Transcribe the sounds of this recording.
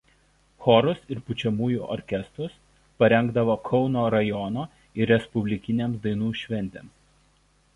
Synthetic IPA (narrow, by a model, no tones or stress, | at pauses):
xɔɾʊsɪɾpʊt͡ʃʲɛmuːjṵːˑʔɔ̰ɾʲkʲɛst̪ɾʊs | pɐɾʲɛŋɡd̪ɐʋoːkʰɒʊnoːɾɐjɔnoː | ɪɾʲɾʲɛspʊbʲlʲɪkʲɪnʲemsd̪ɐɪnuːʃʲʋʲɛnʲt̪ʲḛms